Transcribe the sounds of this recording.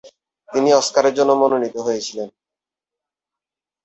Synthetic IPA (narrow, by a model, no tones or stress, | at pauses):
t̪iniɔskaɾeɾd͡ʑonːomononit̪oɦojet͡ɕʰilen